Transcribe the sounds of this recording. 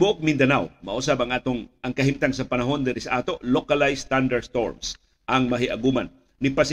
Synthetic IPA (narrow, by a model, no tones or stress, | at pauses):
bʊʔok̚mɪnd̪ɐnawmɐʔus̬abɐŋʔaːt̪oŋɐŋkɐɦimt̪aŋsɐpɐnɐɦo̞nd̪ɛɾɛsɐʔaːt̪o̞ʔlokalajst̪and̪ɐst̪oɹms | ʔɐŋmɐɦɪʔɐɡuːman | nɪpas